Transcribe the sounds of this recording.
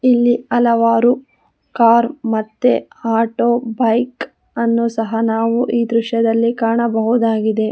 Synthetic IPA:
ilːiɐlɐʋaːɾu | kaːɾmɐt̪ːe̞aːʈoːbɐjk | ɐnːuːsɐɦɐnaːʋuʔiːd̪ɾuʃjɐd̪ɐlːikaːɳɐbɐɦud̪aːɡid̪e̞

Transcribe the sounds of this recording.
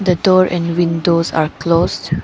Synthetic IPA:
d̪əɖɔːɾʔɛ̰̃ɳɖwɪ̃nɖoːza̰ːɾkloːzɖ

